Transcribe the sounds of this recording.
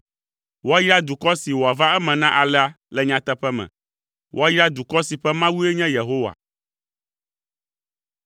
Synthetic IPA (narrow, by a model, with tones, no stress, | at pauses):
wo˦a˦ji˦a˦d̪u˨kɔ˦si˨wo˨a˨va˦ɛ˦mɛ̃˨nã˦ʔa˨lɛ˦a˨˦ | lɛ˨ɲã˨t̪ɛ˦ɸɛ˦mɛ̰̃˨ | wʔo˦a˦ji˦a˦d̪u˨kɔ˦si˨ɸɛ˦mã˦wu˦e˦ɲɛ̃˦je˨ɦo˦wa̰˨